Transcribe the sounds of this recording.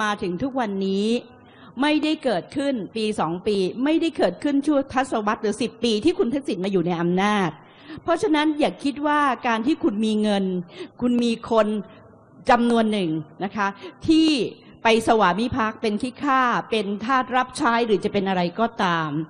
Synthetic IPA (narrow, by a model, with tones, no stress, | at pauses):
maː˧t̪ʰɯ˩˦ŋt̪ʰu˦˥k̚wa˧nːiː˦˥ | ma˥˩jda˥˩jkɤː˨˩t̪̚kʰɯ˥˩npiː˧sɔː˩˦ŋpiː˧ma˥˩jda˥˩jkɤː˨˩t̪̚kʰɯ˥˩nt͡ɕʰu˥˩ɐt̪ʰa˦˥t̪̚sa˧wa˦˥t̪̚ɾɯː˩˦si˨˩pːiː˧t̪ʰiː˥˩kʰu˧nt̪ʰa˦˥k̚si˨˩˦nmaː˧juː˨˩na˧jʔa˧mnaː˥˩t̪̚ | pʰɔ˦˥t͡ɕʰa˧na˦˥njaː˨˩kʰːi˦˥t̪̚waː˥˩kaː˧nt̪ʰiː˥˩kʰu˧nmiː˧ŋɤ˧nkʰu˧nmiː˧kʰo˧n | t͡ɕa˧mnu˧ənːɯ˨˩ŋna˦˥kʰa˦˥t̪ʰiː˥˩ | pa˧jsa˧waː˩˦mi˦˥pʰa˦˥k̚pe˧nkʰi˦˥kʰaː˥˩pe˧nt̪ʰaː˥˩t̪̚ɾa˦˥p̚t͡ɕʰaː˦˥jɾɯː˩˦t͡ɕa˨˩pe˧nʔa˧ɾa˧jkɔː˨˩t̪aː˧m